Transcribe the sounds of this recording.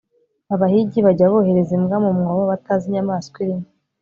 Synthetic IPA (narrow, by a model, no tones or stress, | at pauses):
aβahiɟiβaɟaβohe̞ɾezimɡamumŋawaβataziɲamaːskwiɾim